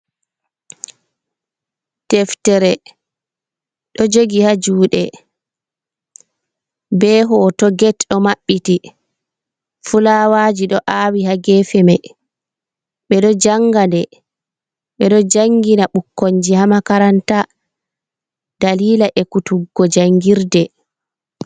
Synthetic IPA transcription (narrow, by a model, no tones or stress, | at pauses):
tɛftɛɾɛ | ɗɔd͡ʒoɡihad͡ʒuːɗɛ | bɛːɦɔtɔɡɛtɗɔmaɓːiti | fulawaːd͡ʒiɗɔʔaːwihaɡɛːfɛma | ɓɛɗɔd͡ʒaŋɡandɛ | ɓɛɗɔd͡ʒaŋɡinaɓukːoɲd͡ʒihamakaɾanta | d̥aliːlaʔɛkutuɡːɔd͡ʒaŋɡiɾdɛ